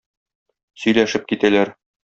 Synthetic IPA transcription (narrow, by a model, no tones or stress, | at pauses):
sɵ̆jlæʃɘp̚kit̪ælæɾ